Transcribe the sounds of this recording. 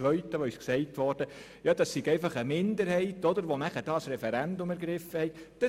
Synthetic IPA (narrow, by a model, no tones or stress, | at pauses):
ʋœʏtəʋoysksɛɪtʋɔɾd̥ə | jɑd̪̥ɑsiɡɛɪfɑχəmɪnd̪əɾhɛɪtɔd̪əɾʋonæχəd̥ɑːsɾɛfɛɾændʊmɛɾɡ̥ɾɪfːəhɛɪtd̥ɑ